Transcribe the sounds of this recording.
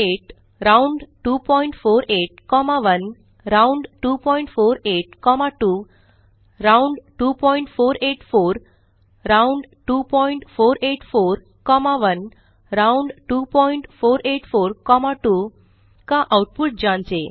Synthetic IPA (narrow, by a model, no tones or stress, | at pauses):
eʈ | ɾauɳɖʈupɔiɳʈfoɾeʈ̚kɔmaʋən | ɾauɳɖʈupɔiɳʈfoɾeʈ̚kɔmaʈu | ɾauɳɖʈupɔiɳʈfoɾeʈfoɾ | ɾauɳɖʈupɔiɳʈfoɾeʈfoɾ | kɔmaʋən | ɾauɳɖʈupɔiɳʈfoɾeʈfoɾkɔmaʈu | kãʔawʈ̚puʈ̚d͡ʑãnt͡ɕe